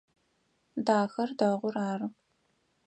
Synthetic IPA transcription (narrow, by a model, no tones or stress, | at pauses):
daːxɐrdɐʁʷʊraːrɨ